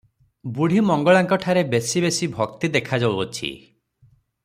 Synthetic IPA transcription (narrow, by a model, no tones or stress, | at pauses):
buɽ̤ʱimɔŋɡɔɭaŋkɔʈʰaɾebesibesibʱɔk̚t̪id̪ekʰad͡ʒawɔt͡ʃʰḭ